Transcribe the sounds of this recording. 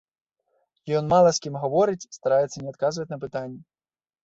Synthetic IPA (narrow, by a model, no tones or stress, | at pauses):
jɔnmalˠɐsʲkʲimɣavɔɾɨt͡sʲst̪aɾajɛt̪sːɐnʲɛat̪kazvɐt͡sʲnɐpɨt̪anʲːɛ